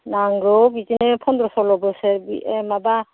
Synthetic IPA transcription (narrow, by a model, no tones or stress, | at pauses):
naŋɡɾɔbizinɛpʰɔnd̪ɾɔsɔlɔbɔsɛɾbiɛmaba